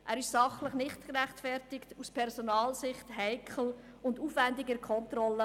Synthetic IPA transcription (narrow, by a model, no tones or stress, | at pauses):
ʔæːɾɪʃsɑχləχnɪχtkəɾæχtfɛɾtɪktuspʰɛɾsonɑːlsɪχthɛɪkʰl̩ | ʊnduːfvændɪɡəkʰɔntrɔlːə